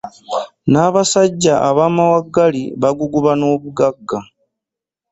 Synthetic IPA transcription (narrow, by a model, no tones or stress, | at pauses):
naːβasaɟːaʔaβaːmawaɡːaliβaɡuɡuβano̞ːβuɡaɡːa